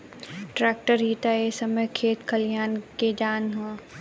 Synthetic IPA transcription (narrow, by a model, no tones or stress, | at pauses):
ʈɾaːk̚ʈəɾɦiːt̪aesɐməjkʰeːt̪kʰɐljaːnked͡ʒaːnɦã